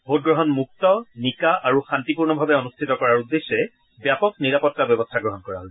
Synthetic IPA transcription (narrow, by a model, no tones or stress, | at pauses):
bʱot̚ɡɹɔɦɔnmuk̚tɔnikaʔaɹuxantipuɹnɔbʱabɛɔnustʰitɔkɔɹaɹudːesːɛ | bjapɔk̚niɹapɔtːabjɔbɔstʰaɡɹɔɦɔnkɔɹa̰ɦɔl